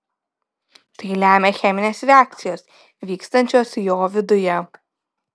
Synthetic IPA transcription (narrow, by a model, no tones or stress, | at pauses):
t̪ɐɪlʲæːmʲexʲɛmʲɪnʲeːsɾʲɛaːk̚t̪sʲɪjoːs | ʋʲiːkst̪ɐnʲt͡ʃʲoːsjoːʋʲɪd̪ʊjɛ